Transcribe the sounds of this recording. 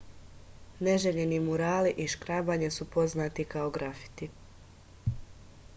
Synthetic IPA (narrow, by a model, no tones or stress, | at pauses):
neʒeʎenimuɾaːliʔiʃkɾaːbaːɲesupo̞znaːt̪ikao̞ɡɾafi̥t̪i